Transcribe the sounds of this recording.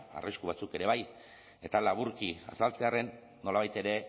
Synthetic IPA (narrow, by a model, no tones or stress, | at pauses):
a̰riskuβ̞at͡suke̞ɾe̞β̞aj | e̞t̪alaβ̞uɾkia̰salt͡se̞are̞nː | o̞laβajt̪e̞ɾe̞